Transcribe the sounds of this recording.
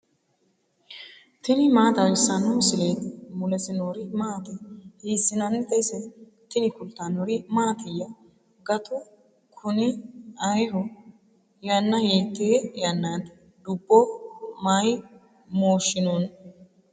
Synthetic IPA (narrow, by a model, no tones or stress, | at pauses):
t̪ɪnɪmaːt̪ɐwɪsːɐnːʊmɪsɪleːt̪mʊlɛsɪnoːɾɪmaːt̪ɛhiːsːɪnɐnːɪt̪ɐɪsɛ | t̪ɪnɪkʊlt̪ːanoɾɪmaːt̪ɪjːɐ | ɡɐt̪ʰʼʊ | kʰʊnɪɐjɦʊ | jɐnːɐjeːt̪ːeːjɐnːaːt̪ | d̪ʊbːɔmaːj | moːʃːɪnun